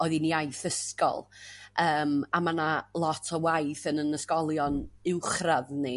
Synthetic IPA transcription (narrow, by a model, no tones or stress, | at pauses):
ɔɨðiniajθəskɔ̰lˠəːmamanalˠɔtʰɔwajθənənəskɔlˠjɔnɪwχraðni